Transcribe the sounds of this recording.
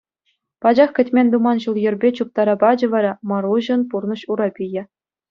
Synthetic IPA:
pɑd͡ʑɑχkʲɘ̆tʲmʲenʲd̪umɑnɕulˠjɘ̆rʲbʲet͡ɕup̚t̪ɑɾɑpɑd͡ʑɤ̆ʋɑɾɑmɑɾuʑɤ̆npurnɤ̆ɕuɾɑpʲijɘ̆

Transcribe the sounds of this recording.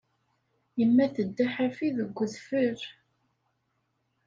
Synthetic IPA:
jəmːæθəd̪ːaħafiðəɡʷːəðfəɾ

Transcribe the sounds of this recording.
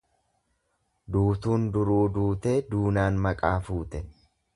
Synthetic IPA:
d̪uːt̪uːnd̪ʊɾuːd̪uːt̪e̞ːd̪uːnaːnmɐkʼaːfuːt̪ɛ

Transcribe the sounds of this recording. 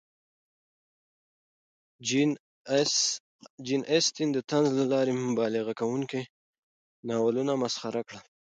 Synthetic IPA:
d͡ʒinʔest̪ind̪ət̪anzlalɑɾemʊbɑlɪɣakawuŋke | nɑwalunamasχaɾakɽa

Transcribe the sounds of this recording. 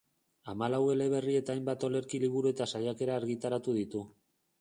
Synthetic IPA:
amalawe̞le̞β̞e̞rie̞t̪aːjmbat̪o̞le̞ɾkiliβ̞uɾue̞t̪asajake̞ɾaːɾɣit̪aɾat̪uð̞it̪u

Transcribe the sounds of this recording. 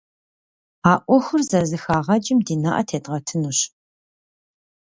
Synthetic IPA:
aːʔʷɔxʊrzɐzɨxaːʁɐd͡ʒʼɪmdiːna̰ʔɐ̰tʰeːdʼʁɐtʰɨnuɕ

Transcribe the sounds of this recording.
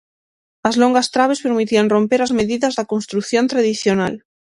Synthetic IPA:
azloŋɡast̪ɾaβ̞espeɾmit̪ianro̞mpeɾazmeðiðazðakonst̪ɾukθjont̪ɾaðiθjona̰l

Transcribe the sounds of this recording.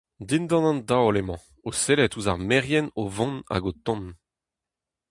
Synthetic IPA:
d̪ind̪ɑ̃nɑ̃nd̪aolemɑ̃ | oselɛt̪uzaʁmɛʁjɛnovɔ̃na̰ɡot̪ɔ̃n

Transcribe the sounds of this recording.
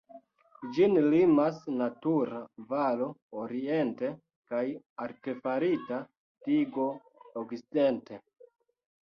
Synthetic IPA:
d͡ʒinlimasnatuɾavalo̞oɾie̞nte̞ | kaj | aɾte̞faɾita | tiɡo̞ | oɡt͡siidente̞

